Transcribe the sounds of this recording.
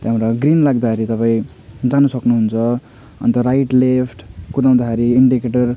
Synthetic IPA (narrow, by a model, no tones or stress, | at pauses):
t̪ɦamɾaɡrinlaɡ̚d̪akʰaɾit̪ʌpaĩ | d͡zanusʌknuɦunt͡sʰʌ | ʌ̰nt̪ʌɾajʈlepʰʈkud̪aw̃d̪akʰaɾiːɳɖikeʈʌr